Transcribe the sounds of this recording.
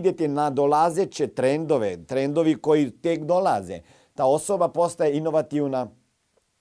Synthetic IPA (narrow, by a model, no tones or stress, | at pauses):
d̪ʲjet̪inad̪olazet͡ɕet̪ɾend̪oʋet̪ɾend̪oʋikojit̪ekd̪olazḛ | t̪aːosobapost̪ajeinoʋat̪iwna